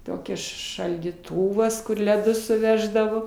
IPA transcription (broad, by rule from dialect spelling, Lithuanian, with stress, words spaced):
ˈtoːkʲɛ ʃɐlʲdʲiːˈtʊʋɐs kʊr lʲɛˈdʊs sʊˈʋʲæːʒdɐʋoː